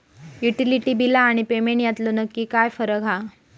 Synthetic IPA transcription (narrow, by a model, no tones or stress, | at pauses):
juʈiliʈiːbilaːɽ̃ipemeɳʈjat̪lonəkːiːkajfəɾəɡɦa